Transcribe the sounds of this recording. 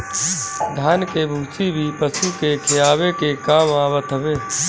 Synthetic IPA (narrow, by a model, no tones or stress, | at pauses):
d̪ʱaːnkebʱũːt͡ʃibʱipəsukekʰɪjaːʋekekaːmaːʋət̪əʋeː